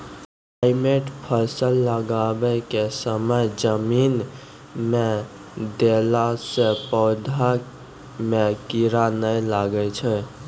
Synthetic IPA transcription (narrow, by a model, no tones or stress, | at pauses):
pajmeʈpʰəsəlːəɡabəkesəməd͡ʒəmin | me | d̪elasepəʊd̪ʱa | mekiɾanəjlaɡət͡ʃʰɛ